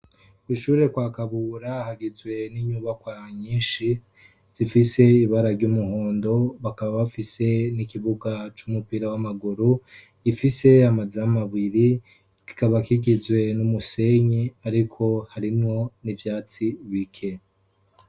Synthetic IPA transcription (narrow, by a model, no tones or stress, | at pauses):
iʃuːɾe̞kwaːkaβuːɾahaɡizwe̞niɲuːβakwaɲiːnʃi | z̥ifise̞iβaɾaɾɟumuɦo̞ːndo̞βakaβaβafise̞nikiβuɡat͡ʃumupiɾawamaɡuɾu | ifise̞amazamaβiɾi | ki̥kaβakiɡizwe̞numuse̞ɲiaɾikʰo̞haɾimŋo̞nivjaːt͡siβikʰe̞